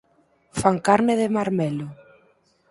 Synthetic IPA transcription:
faŋkaɾnɪðɪmaɾmɛlʊ

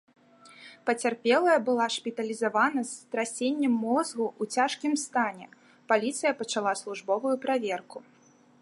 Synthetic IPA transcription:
pɐt͡sʲarpʲɛlˠɐjɐbɨlˠaʂpʲit̪ɐlʲizavanɐst̪ɾasʲenʲːɐmːɔzɣuʔut͡sʲaʂkʲimst̪anʲɛ | palʲit̪sɨjɐpɐt͡ʂalˠaslˠuʐbɔvujupɾavʲɛrku

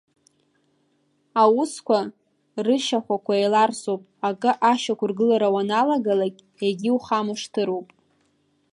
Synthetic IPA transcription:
awʊskʷʰa | rɨʃaχʷakʷʰaelarsowpʼakʼɨʔaʃakʷʰʊrɡɨlaɾawanalaɡalakʲʼ | eɡʲiwχamɨʂtʰɨɾowpʼ

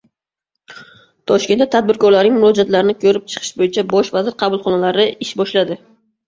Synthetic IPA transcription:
t̪ʰɒʃkʲenat̪ʰad̪̚bɪɾkɒɾlaɾnɪŋmʊɾɒd͡ʒat̪laɾɪnɪkʰɵɾɪp̚t͡ʃʰɨ̥qʰɨ̥ʃbojɪt͡ʃʰabɒʃvazɪɾqʰɑbʊlˠχɒnalaɾɪɪʃbɒʃlad̪ɪ

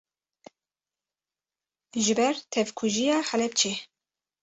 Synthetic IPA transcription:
ʒɨbɛɾt̪ʰɛvkʰuʒijɑːxɛlɛpt͡ʃʰe

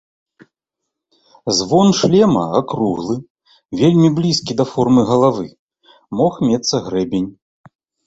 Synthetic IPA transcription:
zvɔnʂlʲɛmɐ̰akɾuɣlˠɨ | vʲelʲmʲiblʲiskʲid̪ɐfɔrmɨɣɐlˠavɨ | mɔxmʲɛt̪sːɐɣɾɛbʲenʲ

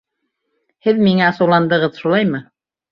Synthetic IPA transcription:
hɘðmiŋæɑsɤ̆wlˠɑnd̪ɤ̆ʁɤðʃulˠɑjmɤ

